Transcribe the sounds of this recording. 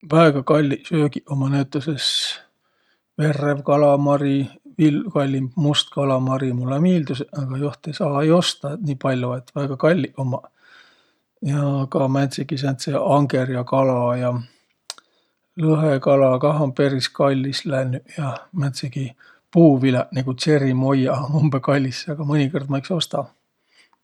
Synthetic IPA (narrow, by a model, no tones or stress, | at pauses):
væeɡ̥ɑkɑlʲːiʔsøːɡiʔomɑnæt̪ːˑoses | ve̞rːevkɑlɑmɑɾivilkɑlʲːimbmust̪kɑlɑmɑɾimulːemiːld̪useʔɑɡ̥ɑjoht̪ˑejsɑːejo̞st̪ɑniːpɑlʲjoet̪ːvæeɡ̥ɑkɑlʲːiʔomɑ | jɑkɑmænt̪seɡ̥is̬ent̪seɑŋɡeɾjɑkɑlɑjɑ | lɤɦekɑlɑkɑɦɑmpe̞ɾiskɑlʲːislænyʔjɑmænt̪seɡ̥i | puːvilɑʔneɡ̥use̞ɾimo̞jːɑumbekɑlʲːisːɑɡ̥ɑmɤnʲikord̪mɑjkso̞st̪ɑ